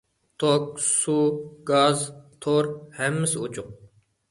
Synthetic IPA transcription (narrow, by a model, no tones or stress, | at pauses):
t̪ʰok̚suɡɑzt̪ʰoɾhɛmːɪsɪut͡ʃʰʊŋ